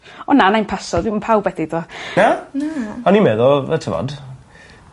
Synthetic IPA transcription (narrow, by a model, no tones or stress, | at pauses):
ɔnanajnpʰasɔdvimunpʰawbwɛdidɔnanaɔnimɛðɔətʰəvɔ̰d